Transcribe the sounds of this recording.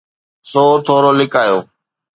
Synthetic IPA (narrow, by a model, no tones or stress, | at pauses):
soːt̪ʰoːɾoːlɪkaːjoː